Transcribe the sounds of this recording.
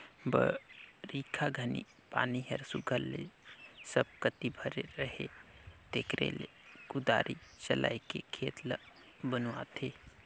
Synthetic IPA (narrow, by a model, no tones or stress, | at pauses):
bə̰ɾiːkʰaɡʱənḭ | paːniɦəɾsuɡʱəlːesəb̚kət̪ibʱəɾeɾəɦed̪̥eːkɾḛle | ɡʊd̪a̰ːɾʔit͡ʃəlʔa̰ːikekʰeːt̪lə | bənuat̪ʰe